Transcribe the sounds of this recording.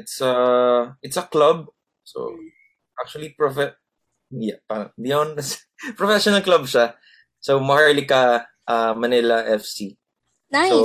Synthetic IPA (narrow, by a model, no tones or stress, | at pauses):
ɪt̪sɐʔɪt̪sɐklɐb̚ | so̰ | ʔak̚t͡ʃʊɐlipɹofɛ | japaɾɐbɪjond̪s | pɾɹɔfɛʃonɐlklɐb̚ʃa | somɐhaɹlikɐ | ʔamɐnɪlɐʔɛfsi | aso